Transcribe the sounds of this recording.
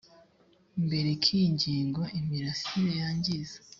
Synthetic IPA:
mbe̞ɾekʰiɲɟiːŋɡwaʔimiɾasiβejaːɲɟize̥

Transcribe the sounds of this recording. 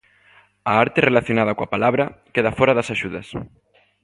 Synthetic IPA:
aaɾt̪erelaθjonað̞akwapalaβɾɐkeðafɔɾaðasaʃuðɐ̰s

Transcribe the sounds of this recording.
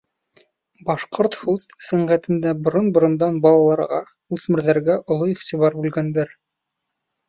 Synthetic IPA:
bɑʃqoɾt̪hʉðsæɴɢæt̪ɘ̆nd̪æbŏɾonbŏɾŏnd̪ɑnbɑlˠɑlˠɑɾʁɑ | ʉðmɘ̆ɾðæɾɡæʔŏlˠoiχt̪iβɑɾbʉlɡænd̪æɾ

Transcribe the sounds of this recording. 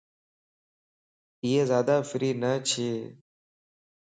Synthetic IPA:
iːeːzjaːd̪aːfɪɾiːnət͡ʃʰeː

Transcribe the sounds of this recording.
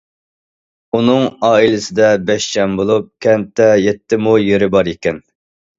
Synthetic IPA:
unɨŋɑːilɪsɪd̪ɛbɛʃt͡ʃʰɛmbolˠup̚kʲʰɛnt̪ʰːɛjɛt̪ʰːɪmujeɾɪbɑɾikʲɛn

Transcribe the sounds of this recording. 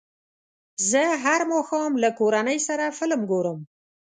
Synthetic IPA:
zəɦaɾmɑxɑmlakoɾanəjsaɾafɪlmɡoɾəm

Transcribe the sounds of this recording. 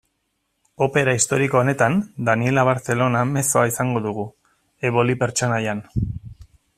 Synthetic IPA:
o̞pe̞ɾaist̪o̞ɾiko̞ːne̞t̪and̪anie̞laβ̞aɾθe̞lo̞name̞so̞aisaŋɡo̞ðuɣ̞u | eβo̞lipe̞ɾt͡ʃo̞najan

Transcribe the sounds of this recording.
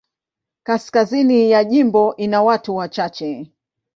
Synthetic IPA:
kaskazinijaʄimbɔʔinawatuwat͡ʃat͡ʃɛ

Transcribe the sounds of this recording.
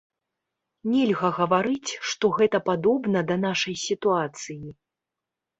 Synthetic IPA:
nʲɛlʲɣɐɣɐvaɾɨt͡sʲʂt̪ɔɣɛt̪ɐpad̪ɔbnɐd̪ɐnaʂɐjsʲit̪uat̪sɨji

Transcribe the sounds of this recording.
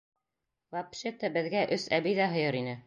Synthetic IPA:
vapʃet̪əbɘ̆ðɡæʔɵsæbijðæɦɤ̆jɤɾinɘ

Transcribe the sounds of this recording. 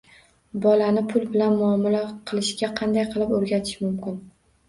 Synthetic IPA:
bɒlanɪpʰʊlˠbɪlanmʊɒːmlaqʰɨlˠɪʃɡʲaqʰɑnd̪ajqʰɨlˠɪpoɾɡʲat̪ʰɪ̥ʃmʊmkʲɪn

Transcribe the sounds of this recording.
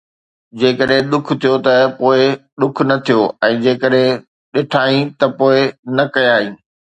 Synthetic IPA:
d͡ʑeːkəɗɦẽɗ̪ʊkʰt̪ʰijot̪ɐpoːɪɗ̪ʊkʰnɐt̪ʰijoɛ̃ːd͡ʑeːkəɗɦẽ | ɗɪʈʰaːĩt̪ɐpoːɪnɐkɐjaːĩː

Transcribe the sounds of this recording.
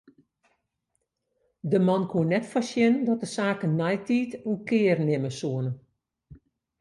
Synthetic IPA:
dəmɔnkʰuənːɛtfɔsjɪnəndɔt̚dəsaːkənnːɛjtʰiːtukɪːrnɪməsuənə

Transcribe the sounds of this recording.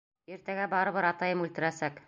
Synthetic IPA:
iɾt̪æɡæbɑɾɤ̆βɤɾɑt̪ɑjɤmʉlt̪ɘ̆ɾæsæk

